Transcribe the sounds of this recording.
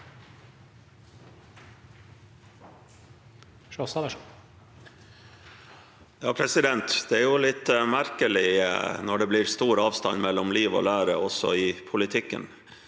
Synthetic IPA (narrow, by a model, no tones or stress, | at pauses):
ʂosɑə | jɑːpʰɾɛsɪd̪ɛnt̪d̪̥ɛæɾjʊlɪt̪ːmæɾkəlɪnɔɖɛbliːɾst̪uːɾɑːʋst̪ɑ̰nmɛlːɔmliːʋo̰ːlæːɾəɔsɔ̰ɪpʰʊlɪt̪ʰɪkːə̰n